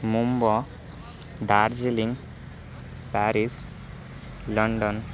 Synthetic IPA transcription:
mumbɔ | d̪aɾd͡ziliŋ | paɾis | lʌɳɖɔn

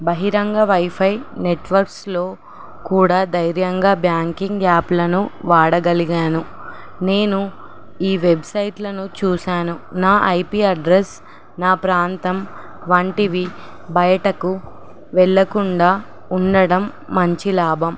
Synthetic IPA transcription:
bɐɦiɾɐŋɡɐʋɐjpʰɐjneʈʋɐɾkslo̞ː | kuːɽaːd̪ɐjɾjɐŋɡaːbjaːŋkiŋɡaːplɐnuʋaːɽɐɡɐliɡaːnu | ne̞ːnu | iːʋebsɐjʈlɐnut͡ʃuːsaːnunaːʔɐjpiːɐɖɾes | naːpɾaːnt̪ɐm | ʋɐɳʈiʋi | bɐjɐʈɐku | ʋɛɭːɐkuɳɖaː | uɳɖɐɽɐmː | ɐɲt͡ʃilaːbʱɐm

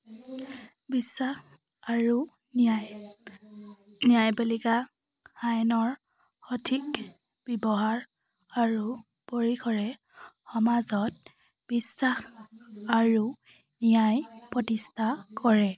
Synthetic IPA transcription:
bisːax | aɹu | nijajbelika | xajnɔɹ | xɔtʰik | b̥ibɔɦaɹ | aɹu | poɹikʰɔɹɛ | xɔmazɔt̚ | b̥isːaxaɹu | nijajpɹɔtistʰakɔɹɛ

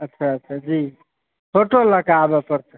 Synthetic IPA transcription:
ətːʃʰaətːt͡ʃʰad͡ʒi | pʰoʈoləɡabɛpəɾt͡ʃʰə

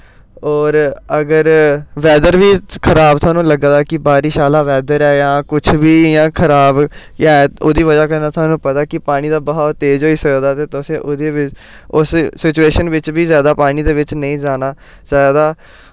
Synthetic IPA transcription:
ɔːɾəɡəɾʋɛːd̪əɾʋiːkʰəɾaːbt̪ʰaːnũːləɡd̪aːkɪbaːɾiːʃaːlaːʋɛːd̪əɾɛːjãːkʊt͡ʃʰbiːjãːkʰəɾaːb̃ː | ɛ̃oːd̪iːʋəd͡ʒaːkəɾnaːt̪ʰwaːnũːpət̪aːkɪpaːñiːd̪aːbəɦaːt̪eːd͡ʒɦoːiːsəkd̪aːt̪eːt̪ʊsẽːʔʊːd̪eːʋɪt͡ʃ | ʊssɪt͡ʃueːʃənʋɪt͡ʃbiːzjaːd̪aːpaːɽiːd̪eːʋɪt͡ʃnəĩːd͡ʒaːnaː | zaːd̪aː

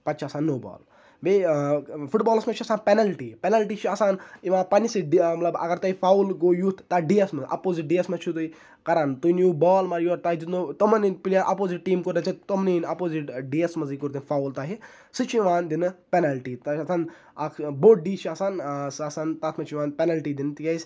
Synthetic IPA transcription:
pɐt͡ʃʰasaːnːoːbɔ̰ːl | be | fuʈbɔːlɐsmɐt͡ʃʰɐsaːnpenɐlʈiːpɛnɐlʈiːt͡ʃʰiɐsaːniʋãpɐnisɨɖimɐt̪lɐbɐ̰ɡɐɾt̪ɐifaːwlɡoːjut̪ʰt̪aɖiːɐsmɐzʔɐ̰poːziʈ̚ɖijɐsmɐt͡ʃʰut̪ui | kɐɾaːnt̪uinjuːbɔːlmɐɾjuɔɾt̪aːɦid͡ʒit̪not̪ɐmɐnipilʲjaʔɐpoːziʈʈiːmkuɾd̪ɐt͡ʃʰɐt̪omninɐpoːziʈɖiɐsmɐzikuɾt̪̬infaːwlt̪aːɦi | sɨt͡ʃʰiʋaːnd̪inɨpenɐlʈiːt̪ɐɐsaːn | ɐkboːʈ̚ɖiːt͡ʃʰiasaːnsɐsaːnt̪aːt̪ʰmɐt͡ʃʰiʋaːnpɛnɐlʈiːd̪int̪ijɐjsʲ

